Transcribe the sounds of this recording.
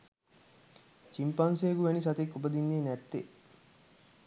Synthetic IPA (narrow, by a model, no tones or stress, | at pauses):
t͡ʃimpɐnseːɡuʋænisɐt̪ekːubɐd̪inːeːnæt̪ːe